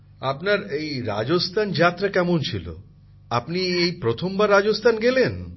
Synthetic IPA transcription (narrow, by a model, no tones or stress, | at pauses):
apnaɾejɾa̰d͡ʑost̪ʰand͡ʑat̪ːɾakɛmont͡ɕʰilo̰ | apniejpɾot̪ʰombaɾːad͡ʑost̪ʰanɡelen